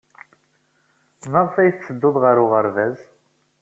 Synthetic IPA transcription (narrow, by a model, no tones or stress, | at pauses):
məʁfæjθsəd̪ːoðˤʁəɾʊʁəɾvæz